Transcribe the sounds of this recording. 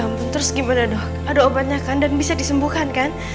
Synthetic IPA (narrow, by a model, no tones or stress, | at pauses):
ampʊnt̪əɾʊsɡimanadɔh | adaobat̪̚ɲakandanbisadisəmbuhkankan